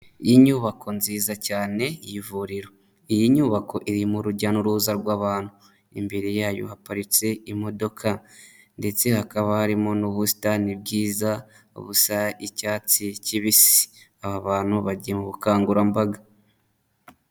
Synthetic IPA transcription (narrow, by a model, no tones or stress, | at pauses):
ijiɲuːβakʰo̞nziːzacaːne̞ijivuɾiɾo̞ | ijiɲuːβako̞ʔiɾimuɾuɟanuɾuːzaɾɡwaːβaːn̥hu | ḭmbeɾijaːjo̞̰hapaɾit͡se̞imo̞do̞kʰa | nde̞t͡se̞hakaβahaɾimo̞nuβusi̥tanib̚ɟiːza | ṵβusaicaːt͡siciβisi̥aβaβaːn̥huβaɟijemuβukaːŋɡuɾambaɡa